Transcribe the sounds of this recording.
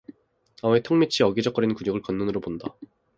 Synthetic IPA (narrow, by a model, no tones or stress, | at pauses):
ametʰoŋmit͡ɕʰiʌɡid͡ʑʌk͈ʌɾinkuɲoɡɯɭkʌnːunɯɾoponda